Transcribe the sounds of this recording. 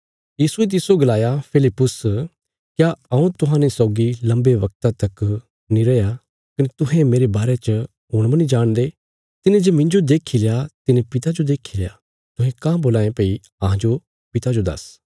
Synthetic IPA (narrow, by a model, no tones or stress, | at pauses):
jiːsuet̪̬ɪsoɡɐlaːjapʰɪlɪpːʊs | kjaɐũt̪ʊɦãːnesɔʊɡilɐ̃mbeʋɐk̚t̪at̪ɐk | nĩɾɐja | kɐnet̪ʊɦẽmeːɾebaːɾet͡ʃə | ɦʊːɽ̃mɐnid͡ʒaːɽ̃d̪eː | t̪ɪnẽd͡ʒemɪ̃ɲd͡ʒod̪eːkʰileːat̪ɪnẽpɪt̪ad͡ʒod̪eːkʰilea | t̪ʊɦẽkãːboːlaːẽpeːi | ɐɦãd͡ʒo | pɪt̪ad͡ʒod̪ɐ̰s